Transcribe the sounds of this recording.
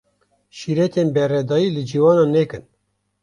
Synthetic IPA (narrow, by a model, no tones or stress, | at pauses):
ʃiɾɛt̪ʰenbɛrɛd̪ɑːjiːlɨd͡ʒiːwɑːnɑːnɛkɨn